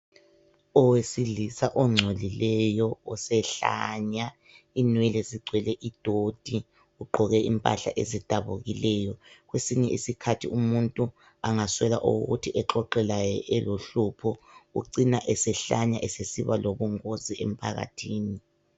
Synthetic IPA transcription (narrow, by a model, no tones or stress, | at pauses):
ɔwesiɮisaʔɔŋ͡ǀʱolilɛjɔɔsɛɬa̰ɲa | inwɛleziɡ͡ǀʱwɛlɛʔid̥ʱod̥ʱi | uɡ͡ǃʱɔɣɛʔimpʼa̰ɬa̰ʔezid̥ʱaβuɣilɛjɔɣwesiɲɛʔisikʰatʰiumuntʼu | aŋaswɛlaʔṵɣṵtʰiʔɛǃɔǃɛlajɛʔɛloɬupʰɔṵǀinaʔɛsɛɬaɲaʔɛsesiβaloβuŋoziem̩pʰaɣa̰tʰiːni